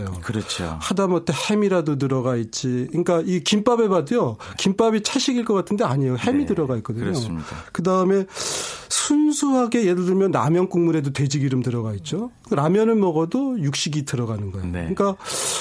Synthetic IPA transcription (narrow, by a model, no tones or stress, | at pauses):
jokɯɾʌt͡ɕʰo̰hadamʌtʰehe̞miɾadot̬ɯɾʌɡait̚t͡ɕ͈iɯik͈aikimp͈abe̞badɯjokimp͈abit͡ɕʰaɭɕ͈ʰiɡiɭk͈ʌk͈atʰɯnde̞aɲejohe̞midɯɾʌɡait̚k͈ʌdɯɲɲokɯdaɯme̞sʰunsʰuɦaɡe̞je̞dɯɭdɯmjʌnːa̰mjʌnk͈uŋmuɾe̞dotwe̞d͡ʑiɡiɾɯmtɯɾʌɡait̚t͡ɕ͈okɯɾamjʌnɯnmʌɡʌdojuk̚ɕ͈iɡitɯɾʌɣanɯnɡʌeoɯɲik͈a